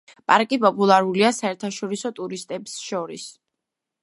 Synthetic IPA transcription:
pʼaɾkʼipʼɔpʼulˠaɾuliasaɛɾt̪ʰaʃɔɾisɔt̪ʼuɾist̪ʼɛbsʃɔɾḭs

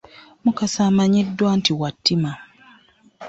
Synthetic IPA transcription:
mukasaːmaɲidːwaːntiwatːima

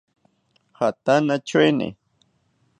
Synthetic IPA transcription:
hat̪anat͡ʃenɪ̰

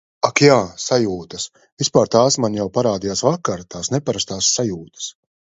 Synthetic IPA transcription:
akjaːsajuːt̪ɐs | vispaːɾt̪aːsmanʲjawpaɾaːd̪ijaːsvakːaɾt̪aːsnɛpaɾast̪aːsːajuːt̪ɐ̥s

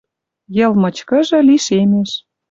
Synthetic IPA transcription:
jɤ̆lmɤ̆t͡ɕkɤ̆ʒɤ̆liʃemeʃ

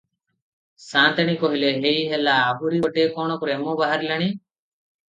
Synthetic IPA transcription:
sãt̪eɽ̃ikɔɦileɦeiɦelaːbuɾioʈekɔɽ̃ɔkɾemɔbaɦaɾilaɽ̃i

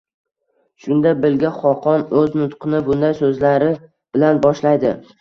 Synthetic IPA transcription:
ʃʊnd̪abɪlɡʲaχɒqʰɒnɵznʊt̪qʰɨnɪbʊnd̪ajsɵzlaɾɪ | b̥ɪlanbɒʃlajd̪ɪ

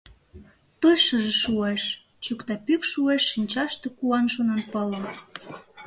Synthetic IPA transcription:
t̪ojʃəʒĕʃueʃ | t͡ɕukt̪ɑpykʃueʃːinʲt͡ɕɑʃt̪ekuɑnʒonɑnpələ̆m

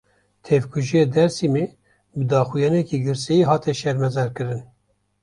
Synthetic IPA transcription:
t̪ʰɛvkʰuʒijed̪ɛɾsimeː | bɨd̪ɑːxujɑːnɛkiːɡɨɾsɛjiɦɑːt̪ɛʃɛɾmɛzɛɾkɨɾɨn

